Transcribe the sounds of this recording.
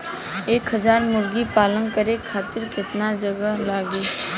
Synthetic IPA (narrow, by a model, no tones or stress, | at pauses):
eːkɦəzaːɾmʊɾɡipaːlənkəɾekʰaːt̪ɪɾkɪt̪nad͡ʒəɡəɦlaːɡiː